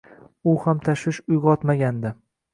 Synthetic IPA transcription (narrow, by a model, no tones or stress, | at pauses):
ʊhamt̪ʰaʃwɪʃʊjʁɒt̪maɡʲand̪ɪ